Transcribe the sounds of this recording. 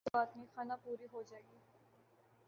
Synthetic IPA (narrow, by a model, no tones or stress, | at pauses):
aːt̪mĩxaːnapuːɾiɦod͡ʒaːeːɡiː